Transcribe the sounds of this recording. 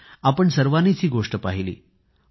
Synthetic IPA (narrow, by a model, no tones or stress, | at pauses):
apəɳsəɾʋanit͡siːɡoʂʈəpaɦilḭː